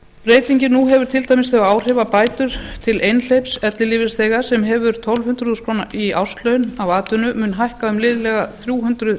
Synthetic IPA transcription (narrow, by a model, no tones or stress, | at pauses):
ɾeːjt̪iɲcɪnuɦɛvʏɾt̪ʰɪlt̪aːjmɪsθɛaaːwr̥ɛːvapaːjt̪ʏɾ̥t̪ʰɪlejnl̥ejpsɛt̪lɪliːvɪsθeːɣḁsɛmɦɛvʏɾ̥t̪ʰɔlvhʏnt̪ɾʏuʏskʰɾoːnaʔiawst̪lœɥnawaːt̪ʏnʏmʏnɦajhkaʏmlɪðlɛɣaθɾjuːɦʏnt̪ɾʏð